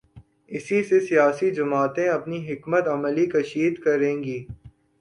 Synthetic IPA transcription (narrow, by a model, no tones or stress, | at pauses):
ɪsisesijaːsid͡ʒɐmaːt̪ẽɐpniɦɪkmət̪ɐməlikɐʃiːd̪kɐɾẽːɡiː